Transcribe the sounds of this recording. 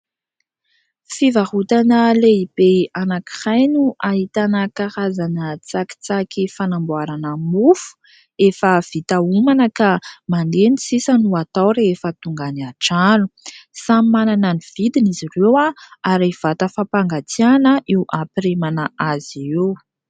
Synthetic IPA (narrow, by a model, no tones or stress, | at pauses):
fivahut̪anəleibeanaki̥χajnuʔaɦit̪anəkaɾazanət͡saki̥t͡sakifanambuaɾanəmufu̥ | efəv̥it̪aumanəkamand̪enisisənuat̪awɾeefət̪uŋɡaniaʈ͡ʂanusamimananəniv̥id̪inizirewaaɾev̥at̪əfapaŋɡat͡sianəʔiwʔapiɾemanəʔaziew